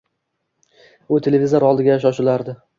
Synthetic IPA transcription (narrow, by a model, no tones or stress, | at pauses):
ʊt̪ʰe̞levizoɾɒlˠd̪ɪɡʲajaʃ̬ɒʃɪlaɾd̪ɪ